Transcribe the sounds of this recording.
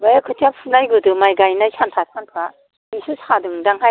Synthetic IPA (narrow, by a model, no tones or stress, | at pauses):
bajakʰɯtʰapʰunajɡɯdɯmajɡajnajsʰantʰajp̚ʰkʰantʰa | isusadɯŋdaŋɦa